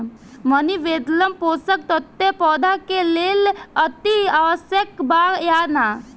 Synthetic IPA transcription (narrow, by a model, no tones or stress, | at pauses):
məniʋeʈ̪ləmposək̚t̪ɔt̪ːepɔd̪akelelət̪iaʋəsjəkbajana